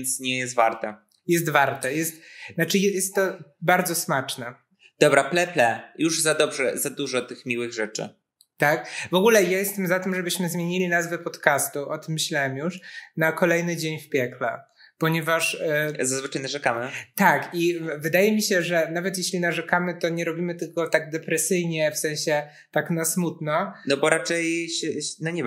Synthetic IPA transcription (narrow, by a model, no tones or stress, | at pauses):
nt̪sɲɛjɛst̪vaɾt̪ɛ | jɛs̬t̪vaɾt̪ɛjɛst̪nat͡ʂɘjɛjɛst̪ːɔbaɾd̪zɔsmat͡ʂnɛ | d̪̥ɔbɾaplɛplɛjuʐzad̪ɔbʐɛzad̪uʐɔt̪ɘxmʲiwɘɣʐɛt͡ʂɘ̰ | t̪akvɔɡulɛjajɛst̪ɛmzat̪ɘmʐɛbɘɕmɘzmʲjeɲilʲinazvɛpɔt̪kast̪uʔɔt̪ɘmːɕlawɛmjuʂnakɔlɛjnɘd͡ʑeɲfpʲjɛklɛ̰ | pɔɲɛvaʂzazvɘt͡ʂajnaʐɛkamɘt̪akivɘd̪ajɛmʲiɕɛʐɛnavɛt̪̬jeɕlʲinaʐɛkamɘt̪ɔɲɛɾɔbʲimɘt̪ɘlkɔt̪aɡ̚d̪ɛpɾɛsɘjɲɛfsɛ̃w̃ɕɛ | t̪aknasmut̪nɔnɔbɔɾat͡ʂɛjɕɛnɔɲɛ